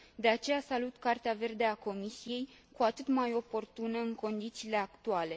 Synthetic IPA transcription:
d̪e̞at͡ʃe̞jasalut̪kart̪eave̞rd̪e̞ako̞misije̞jkuat̪ɨt̪majo̞po̞rt̪unəɨŋko̞nd̪it̪siːle̞akt̪uale̞

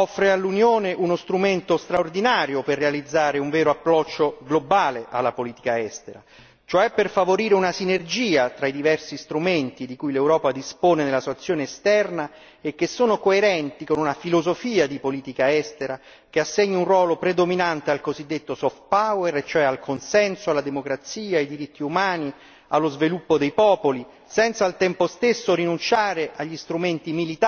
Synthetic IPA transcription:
ɔfːɾealːunjoːneʔunost̪ɾument̪ost̪ɾaord̪inaːɾjoperːealid̪zːaːɾeuɱvɛːɾoapːɾɔt͡ʃːoɡlobaːleʔa̰lːapoliːt̪i̥kaɛst̪eɾa̰ | t͡ʃoɛpːerfavoɾiːɾeunasinerd͡ʒiːat̪ɾaid̪ivɛrsist̪ɾument̪id̪ikujlewɾɔːpad̪ispoːnenelasuat̪sːjoːneːst̪ɛrna | ek̟ːesːoːnokoeɾɛnt̪ikonunafilozofiːad̪ipoliːt̪ikaɛst̪eɾa | k̟easːeɲːunrwɔːlopɾed̪ominant̪ealkozid̪ːet̪ːosɔft̪̚pawɛɾet͡ʃːoɛalkʰonsɛnsoalːad̪emokɾat̪siːaːjd̪iɾit̪ːiumaːni | alːozvilupːod̪ejpɔːpoli | sɛnt̪salt̪ɛmpost̪esːorinunt͡ʃaːɾeʔaʎːist̪ɾument̪imilit̪

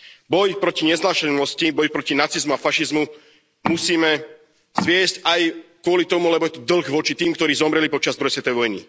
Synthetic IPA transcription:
bɔjpɾɔciɲɛzlaːʃɛnɔscibɔjpɾɔcinat͡sizmuafaʃizmu | musiːmɛ | z̥ʋɪɛscajkʊɔlit̪ɔmulɛbɔjɛt̪ɔd̪l̩ˠɣʋɔt͡ʃit̪iːmkt̪ɔɾiːzɔmɾɛlipɔt͡ʃazd̪ɾɔjɛsʋɛt̪ɔʋɛʋɔjnḭ

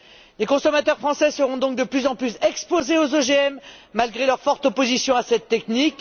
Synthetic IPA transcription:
lekɔ̃sɔmat̪œʁfχɑ̃sɛsəʁɔ̃d̪ɔ̃k̚d̪əplyzɑ̃plysɛkspozeozoʒeɛmːalɡʁelœʁfɔʁt̪opozisjɔ̃asɛt̪ːɛknik

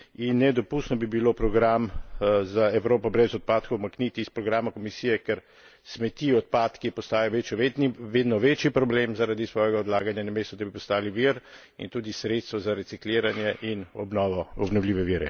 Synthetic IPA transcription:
inːɛd̪ɔpust̪nɔbibilopɾɔɡɾamzaɛwɾoːpɔbɾɛzɔt̪̚paːt̪kowmaknit̪iispɾɔɡɾaːmakɔmisiːjɛkɛɾ | smɛt̪iɔt̪̚paːt̪kipɔst̪aːjɔʋeʋeːd̪nɔʋet͡ʃjipɾɔblemzaɾad̪isʋɔːjɛɡaɔd̪laːɡanjanameːst̪ɔd̪abipɔst̪aːliʋiɾ | ḭnt̪uːd̪isɾet̪st̪ʋɔzaɾɛt̪sikleːɾanjɛʔinɔbnɔːʋɔɔbnɔwlʲiːʋɛʋiːɾɛ̰

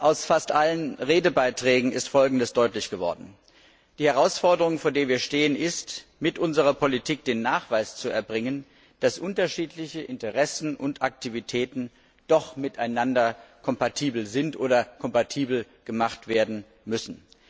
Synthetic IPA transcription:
ʔaʊsfastʔalənʁeːdəbaɪtʁ̥ɛːɡŋ̩ɪstfɔlɡŋ̩dəsd̥ɔʏtlɪçɡ̥əvɔ̰ɐdn̩ | d̥iːhɛʁaʊsfɔɐdəʁʊŋfoːɐdeːɐviːɐʃteːənɪstmɪtʔʊnzəʁɐpʰolitʰiːk̚d̥eːnːaːχv̥aɪst͡suɛɐbʁɪŋən | d̥asʔʊntɐʃiːtlɪçəʔɪntəʁɛsn̩ʔʊntʔak̚tʰivitʰɛːtn̩ | d̥ɔχmɪtaɪnandɐkʰɔmpatʰiːbl̩zɪntʔoːdɐkʰɔmpatʰiːbl̩ | ɡ̥əmaχtv̥eːɐdn̩ | mʏsn̩

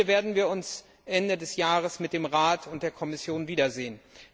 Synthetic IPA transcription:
ɐveːɐdn̩viːɐʊns | ʔɛndədɛsjaːʁəsmɪt̚d̥eːmʁaːtʰʊnt̚d̥eːɐkʰɔmɪsjoːnviːdɐzeːən

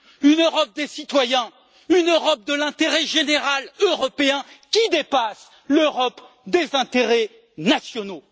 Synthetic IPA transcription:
ynøʁɔp̚d̪esit̪wajɛ̃ | ynøʁɔp̚d̪əlɛ̃t̪eʁɛʒeneʁaløʁɔpeɛ̃kʲid̪epas | løʁɔp | d̪ezɛ̃t̪eʁɛ | nasjɔno

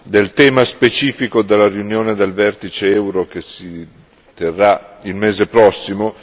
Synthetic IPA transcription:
d̪elt̪ɛːmaspet͡ʃiːfikod̪elːarjunjoːned̪elvɛrt̪it͡ʃeɛwɾokesi | t̪erːailmeːzepɾɔsːimo

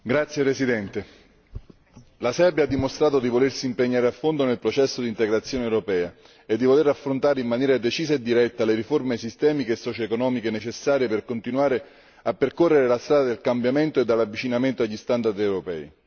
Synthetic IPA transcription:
ɡɾat̪sːjepɾesid̪ɛnt̪e | lasɛrbjad̪ːimost̪ɾaːt̪od̪ivolersiːmpeɲːaːɾeafːond̪onelpɾot͡ʃɛsːod̪int̪eɡɾat̪sːjoːnewɾopɛːa | ed̪ːivoleɾafːɾont̪aːɾeimːanjɛːɾad̪et͡ʃiːseed̪ːiɾɛt̪ːaleɾiformesist̪ɛːmikeːsːɔt͡ʃoekonɔːmikenet͡ʃesːaːɾjeperkont̪inwaːɾe | apːerkorːeɾelast̪ɾaːd̪ad̪elkambjament̪oed̪ːelːavːit͡ʃinament̪oaʎːist̪and̪ard̪ewɾopɛ̰ːi

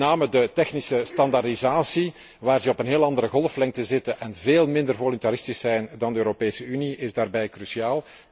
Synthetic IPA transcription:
naːmədətɛxnisəstɑndardizaːsi | ʋaːrzɛɔpənɦeːlˠɑnd̪əɾəɣɔlˠflɛŋ̚təzɪtəʔɛnveːlˠmɪndərvɔlɔnt̪aɾɪstisɛjndɑndəøːɾopeːsəyniʔɪzdaːrbɛjkrysiaːlˠ

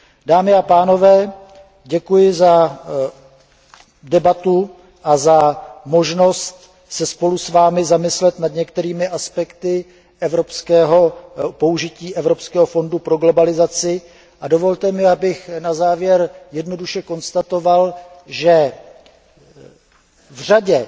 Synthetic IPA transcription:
daːmɪapaːno̞vɛː | ɟɛkujɪza | dɛbat̪u | ʔazamo̞ʒno̞st̪ | sɛspo̞lusvaːmɪzamɪslɛt̪nadɲɛkt̪ɛɾiːmɪʔaspɛkt̪ɪ | ʔɛvɾo̞pskɛːɦo̞po̞uʒɪciːʔɛvɾo̞pskɛːɦo̞fo̞ndupɾoɡlo̞balɪzat͡sɪ | ʔado̞vo̞lt̪ɛmɪabɪxnazaːvjɛɾjɛdno̞duʃɛko̞nst̪at̪o̞valʒɛ | vr̝aɟɛ

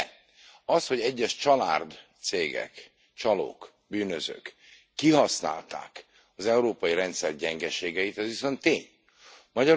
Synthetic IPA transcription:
ɒsho̞ɟɛɟːɛʃt͡ʃɒla̰ːrd̪t̪seːɡɛ̰k | t͡ʃɒlo̰ːk | byːnøzø̰ːkː | iɦɒsna̰ːlt̪a̰ːk | ɒzɛuɾoːpɒjiɾɛnt̪sɛr̚ɟɛŋɡɛʃeːɡɛjit̪ɛzʋiso̞nt̪ːeːɲ | mɒɟɒ

